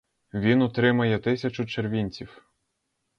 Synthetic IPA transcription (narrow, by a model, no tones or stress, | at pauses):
ʋʲinɔt̪ɾɪmɐjɛt̪ɪsʲɐt͡ʃʊt͡ʃerʋʲinʲt͡sʲiw